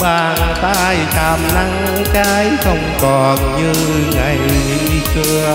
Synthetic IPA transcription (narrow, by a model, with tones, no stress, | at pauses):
ɓaː˧˨˩nt̪aː˧jt̪ʰaː˨˩mna˧ŋɨ˧˦kaː˨˦jxə˧wŋ͡mkɔ˨˩nɲɨ˧ | ŋa˨˩ji˧˦kɨ˧ə